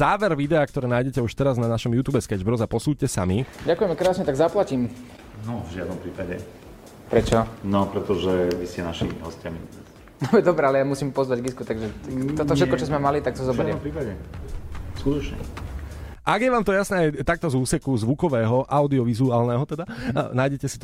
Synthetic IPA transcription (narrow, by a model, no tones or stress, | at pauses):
zaːʋɛɾʋid̪ɛaːk̚t̪ɔɾɛːnaːjɟɛcɛuʃt̪ɛɾaznanaʃɔmjuːt̪uːbɛskɛd͡ʒbɾɔzapɔsuːccɛsa̰miɟakujɛmɛkɾaːsɲɛt̪aɡzaplacim | nɔvʒɪad̪nɔmpɾiːpaɟɛ̰ | pɾɛt͡ʃɔnɔpɾɛt̪ɔʒɛʋiscɛnaʃḭɦɔ̰scɪamiɛ | bɛd̪ɔbɾɛalɛjamusiːmpɔzʋaɟɡiskut̪aɡʒɛɔt̪ɔfʃɛt̪kɔt͡ʃɔzmɛmalit̪ak̚t̪ɔzɔbɛɾimpɾiːpaɟɛ | skuːd̪ɔt͡ʃɲɛ̰ | ʔaɡjɛʋaːmt̪ɔjasnɛːajt̪ak̚t̪ɔzuːsɛkuzʋukɔʋɛːɦɔʔaʊd̪iɔʋizuaːlnɛɦɔt̪ɛd̪anaːjɟɛcɛsi̥t̪